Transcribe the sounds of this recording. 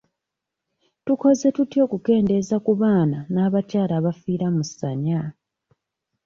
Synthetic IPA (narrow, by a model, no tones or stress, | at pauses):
tuko̞ze̞tutjo̞ːkuke̞ːnde̞zakuβaːnanaːβacaːlaːβafiːɾamusaɲa